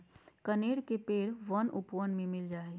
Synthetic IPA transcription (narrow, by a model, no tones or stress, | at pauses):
kɐneːɽkepeːɽʋɐnʔʊpʋənmẽmɪld͡ʒaːeː